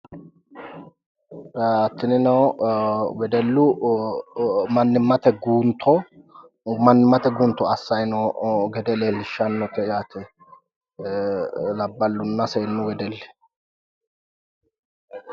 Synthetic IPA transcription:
ɐt̪ːɪnɪnɔw | wɛd̪ɛlːʊ | mɐnːɪmːɐt̪ɛɡuːnt̪ʰːɔ | mɐnːɪmːɐt̪ɛɡuːnt̪ːɔɐsːɐjnɔɡɛd̪ɛlelʃɐnːɔt̪ɛjaːt̪ʰɛ | lɐbːɐlːʊnːɐseːnːʊwɛd̪ɛlːɛ̥

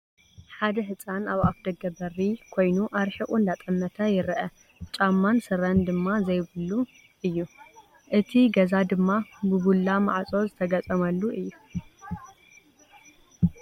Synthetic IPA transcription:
ħad̪ɐħɨt͡sʼanaβafd̪ɐɡɐbɐrikʰo̞jnuʔaɾħiʔʼund̪at̪ʼɐmːɐt̪ʰajɪɾʔɐ | t͡ʃʼamːansɨɾɐnd̪ɨmːazɐjβɨlu | ʔɨjːu | ʔɨt̪ʰiɡɐzad̪ɨmːabɨɡulːamaʕt͡sʼo̞zɨt̪ʰɐɡɐt͡sʼɐmɐlːuʔɨjːu

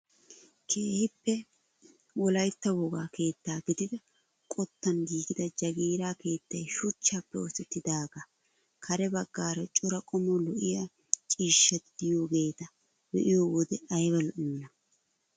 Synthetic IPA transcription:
kʰeːhɪpːɛ | wɔlɐjt̪ːɐwoɡaːke̞ːt̪ːaːɡɪd̪ɪd̪ɐ | kʼɔt̪ːɐnɡiːɡɪd̪ɐd͡ʒɐɡiːɾaːke̞ːt̪ːɐjʃʊt͡ʃːaːpːɛɔsɛt̪ːɪd̪aːɡɐ | kʰɐɾɛbɐɡːaːɾɐt͡ʃʼʊɾɐkʼɔmɔlɔʔɪja | t͡ʃʼiːʃːɐt̪d̪ɪjo̞ːɡe̞ːt̪ɐ | bɛ̰ʔɪjoːwɔd̪ɛɐjbɐlʔɪmːɐ

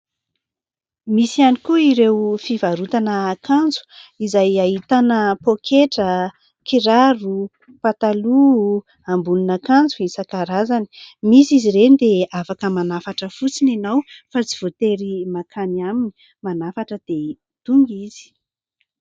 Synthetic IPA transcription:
misianikuiɾewfivaɾut̪anəːkand͡zu̥izajaɦit̪anəpokʰeʈ͡ʂə | kiɾaru | pat̪alu | ambulunakand͡zuisakaɾazani̥misiziɾend̪eafakəmanafaʈ͡ʂəfut͡sinanawfat͡si̥v̥ot̪eɾimakʰanamini̥ | manafaʈ͡ʂəd̪̥e | t̪uŋɡizi̥

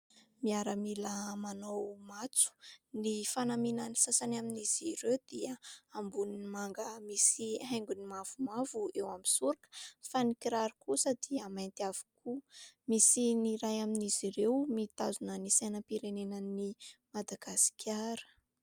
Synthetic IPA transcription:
miaɾəmilamanowmat͡su̥nifanaminanisasanaminiz̥iɾewd̪̥iəambuninimaŋɡəmisiɦaj̃ŋɡunimav̥umavuewamisuɾakə̥fanikiɾaɾukusəd̪iəmajnt̪av̥u̥kumisiniɾajaminiz̥iɾewmit̪azunənisajnəpiɾenenənimad̪aɡasi̥kʲʰaɾə̥

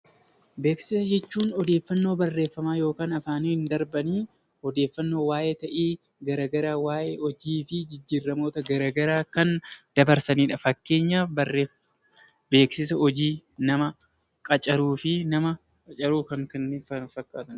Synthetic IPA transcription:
be̞ːksɪsɐd͡ʒɛt͡ʃːuːnɔd̪e̞ːfːɐnːo̞ːbɐrːe̞ːfːɐmaːjoːkaːnɐfaːniːɪnd̪ɐɾbɐniː | ɔd̪e̞ːfːɐnːo̞ːwaːjeːt̪ɐʔiː | ɡɐɾaːɡɐɾaːwaːjeːɔd͡ʒiːfɪd͡ʒɪd͡ʒːiːrːɐmo̞ːt̪ɐɡɐɾaːɡɐɾaːkɐnd̪̥ɐbɐɾsɐniːᶑɐfɐkːe̞ːɲːaːfbɐrːe | be̞ːksɪs̬ɐɔd͡ʒiːnɐmɐ | kʼɐt͡ʃʼɐɾuːfɪnɐmɐ | ɐt͡ʃʼɐɾuːkɐŋkɐnːeɐfɐkːaːt̪ɐn

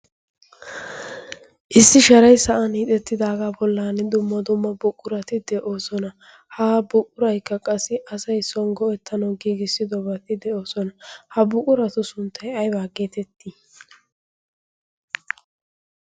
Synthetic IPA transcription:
ʔɪsːɪʃɐɾɐjsɐʔɐniːt̪ʼɛt̪ːɪd̪aːɡaːbɔlːaːnɛd̪ʊmːɐd̪ʊmːɐbʊkʼːʊɾɐt̪ɪd̪ɛʔoːsɔnɐ | haːbʊkʼːʊɾɐjkːɐkʼɐsːɪʔɐsɐjsɔnɡɔʔɛt̪ʰːɐnɐwɡiːɡɪsːɪd̪ɔbɐt̪ɪd̪ɛʔo̞ːsɔnɐhɐbʊkʼʊɾɐt̪ʊsʊnt̪ʰːɐjɐjbaːɡeːt̪ɛt̪ːi

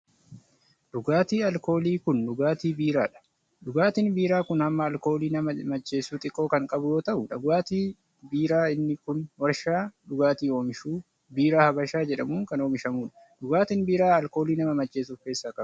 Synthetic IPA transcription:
ᶑʊɡaːt̪iːɐlko̞ːliːkʊnɗʊɡaːt̪iːbiːɾaːᶑɐ̥ | ᶑʊɡaːt̪inbiːɾaːkʊnɐmːɐɐlko̞ːliːnɐɐmɐt͡ʃːe̞ːsuːt̪ʼɪkʼːo̞ːkɐŋkʼɐbʊjo̞ːt̪ɐʔʊᶑɐɡwaːt̪iː | biːɾaːɪnːɪkʊnwɐɾʃaːᶑʊɡaːt̪iːoːmɪʃuː | biːɾaːhɐbɐʃaːd͡ʒɛᶑɐmuːŋkɐno̞ːmɪʃɐmuːᶑɐ̥ | ᶑʊɡaːt̪ɪnbiːɾaːɐlko̞ːliːnɐmɐmɐt͡ʃːe̞ːs̬ufe̞ːsːaːkʼɐ

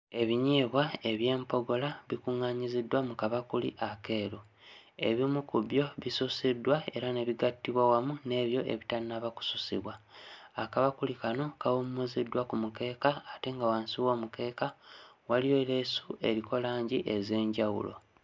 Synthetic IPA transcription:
e̞βiɲiːβwae̞βje̞ːmpo̞ɡo̞laβikuŋːaɲizidːwamukaβakulḭʔake̞ːɾo | e̞̰βimukuβjo̞βisusidːwae̞ɾane̞βiɡatːiβwawamune̞ːβjo̞ʔe̞̰βitaninaβaku̥susḭβwaakaβakulikano̞kawumːuzidːwakumuke̞ːkaːte̞ŋɡawaːnsiwo̞ːmuke̞ːkawalijo̞le̞sue̞̰ɾikʰo̞laːɲɟiʔe̞ze̞ːɲɟawṵlo̞̰

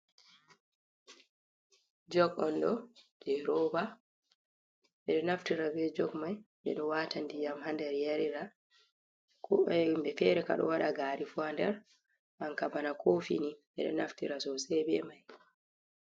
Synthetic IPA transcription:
d͡ʒɔɡɔnɗɔd͡ʒɛɾɔːba | ɓɛɗɔnaftiɾabɛd͡ʒɔɡmajɓɛ̰ɗɔwaːtandijamhandɛɾjaɾiɾa | kɔmbɛfɛːɾɛka̰ɗɔ̰waɗaɡaːɾifuandɛɾ | ʔankabanakʰofḭniɓɛ̰ɗɔ̰naftiɾasɔsɛjbɛmaj

